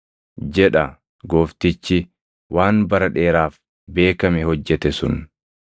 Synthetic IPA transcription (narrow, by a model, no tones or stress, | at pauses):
d͡ʒɛᶑɐ | ɡo̞ːft̪ɪt͡ʃːɪ | wʔaːnbɐɾɐᶑe̞ːɾaːf | be̞ːkɐmɛhɔd͡ʒːɛt̪ɛsʊ̰n